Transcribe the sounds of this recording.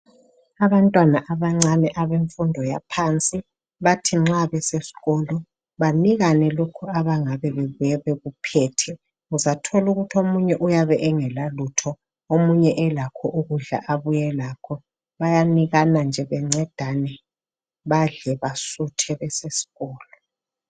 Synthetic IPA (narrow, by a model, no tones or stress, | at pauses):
aβantʼwanaʔaβaŋ͡ǀanɛʔaβeɱfundʱɔjapʰant͡sʼi | βatʰiŋ͡ǁaβɛsesi̥ɣɔlɔ | βaniɣanɛlokʰuaβaŋaβɛβeβujɛβɛɣupʰɛːtʰɛ | uzatʰɔluɣutʰiomuɲɛʔujaβɛʔɛŋɛlalutʰɔ | omuɲɛʔɛlakʰɔʔuɣuɮa̰ʔaβujɛlaːkʰɔ | βajaniɣanand͡ʒʱɛβɛŋ͡ǀɛd̥ʱanɛ | βaɮɛβasutʰɛβɛsesi̥ɣɔːlɔ